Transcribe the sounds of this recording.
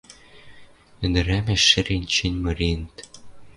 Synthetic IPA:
ɘ̆nd̪ɘ̆ɾæmĕʃːɘ̆ɾenʲt͡ɕɘ̆nʲmɤ̆ɾenɘt̪

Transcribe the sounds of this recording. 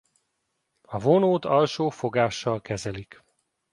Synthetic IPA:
ɒvo̞noːt̪ɒlʃoːfo̞ɡaːʃːɒlkɛzɛlik

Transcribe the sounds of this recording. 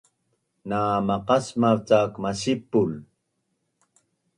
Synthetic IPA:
naːmaqɑsmat͡sakmasipːul

